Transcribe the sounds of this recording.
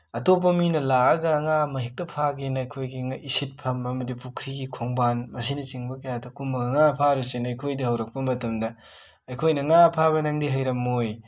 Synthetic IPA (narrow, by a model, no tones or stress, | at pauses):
ɐtop̬ːɐminɐlaɐɡɐːŋamɐɦik̚tɐpʰaɡenɐjkʰojɡiŋaʔisit̚pʰɐmɐmɐdipukʰɾiɡikʰoŋbanmɐsinɐt͡ʃiŋbɐkɐjadɐkumɐɡɐŋapʰaɾusenɐjkʰojdɐhɐwɾɐk̚pɐmɐtɐmdɐ | ɐjkʰojnɐŋapʰaβɐnaŋdiɦɐjɾɐmoj